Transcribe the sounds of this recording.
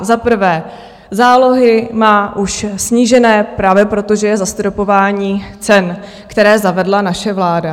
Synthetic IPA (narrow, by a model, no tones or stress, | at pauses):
zapr̩vɛː | zaːlo̞ɦɪmaːʔuʃsɲiːʒɛnɛːpɾaːvjɛpɾo̞t̪o̞ʒɛjɛzast̪ɾopo̞vaːɲiːt͡sɛn | kt̪ɛɾɛːzavɛdlanaʃɛvlaːda